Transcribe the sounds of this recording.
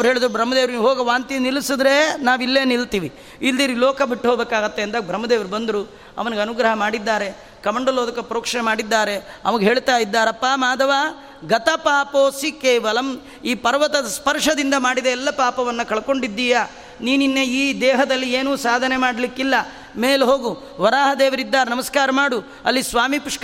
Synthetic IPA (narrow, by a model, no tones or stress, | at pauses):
ɐʋɾɦeːɭid̪ɾubʱɾɐmːɐd̪eːʋɾɦoːɡɐʋaːnt̪inilisid̪ɾe̞naːʋilːe̞ːnilt̪iːʋi | ilːd̪iːɾilɔːkɐbiʈːɦoːbeːkaːɡɐt̪ːeːnt̪aːɡbʱɾɐmːɐd̪eːʋɐɾbɐnd̪ɾu | ɐ̰ʋɐnɡeɐnuɡɾɐɦɐmaːɽid̪ːaːɾe̞ | kɐmɐɳɖɐloːd̪ɐkːɐpɾoːkʂɐnemaːɽid̪ːaːɾe̞ɐʋɐɡeɦe̞ːɭt̪aːjid̪ːaːɾɐpːaːmaːd̪ɐʋaː | ɡɐt̪ɐpaːpoːsikejʋɐlɐm | iːpɐɾʋɐt̪ɐspɐɾʂɐd̪ind̪ɐmaːɽid̪ɐɛlːɐpaːpɐʋɐnːɐkɐɭko̞ɳɖid̪ːiːja | niːninːeiːd̪ɛːɦɐd̪ɐlːieːnuːsaːd̪ʱɐne̞maːɽɐlikːilːɐ | meːlɦoːɡu | ʋɐɾaːɦɐd̪eːʋɐɾid̪ːaːɾenɐmɐskaːɾɐmaːɽu | ɐ̰lːisʋaːmipuʂk